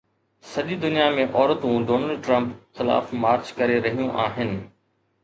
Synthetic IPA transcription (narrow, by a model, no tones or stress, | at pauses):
sɐʄid̪ʊnijamẽʔɔːɾət̪ũɖoːnəlɖʈɾɐ̃mpxɪla̰ːfmaːɾt͡ʃkɐɾeɾɐɦijũʔaːɦɪnɪ̆